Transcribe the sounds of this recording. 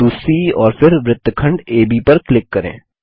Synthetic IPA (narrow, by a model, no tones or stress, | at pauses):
uːsiɔːɾfɪɾʋɾɪt̪ːəkʰɐ̃ɳɖeːbipɐɾklɪkːɐɾḛ̃ː